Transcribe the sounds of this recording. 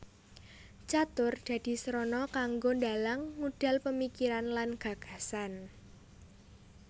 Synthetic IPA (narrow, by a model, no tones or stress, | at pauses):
t͡ʃat̪ʊrd̪̥a̤d̪̥i̤sɾɔnɔkaŋɡondalaŋːuɖ̥a̤lpəmikiɾanlanɡ̥a̤ɡ̥a̤san